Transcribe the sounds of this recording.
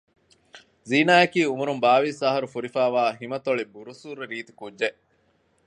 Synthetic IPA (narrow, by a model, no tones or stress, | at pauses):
ziːnaːjɐkiːumuɾumbaːʋisaɦɐɾufuɾifaːʋaːɦimɐt̪oɭibuɾusuɾɾiːt̪i̥kudːeʔ